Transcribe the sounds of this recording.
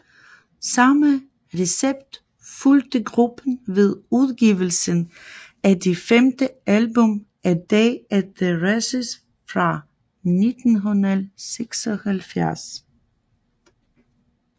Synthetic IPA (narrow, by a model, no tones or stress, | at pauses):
sɑmə | ʁeseb̥d̥ | fuld̥əɡʁub̥ən̩ʋe̝ðˠuðˠɡ̥iːʋəl̩sən | æd̥ifemd̥əælbɔm | ʔæd̥ɛːæd̥eʁasəs | fʁɑ | nid̥n̩ɦunəseɡ̥sɔhælfjæɐs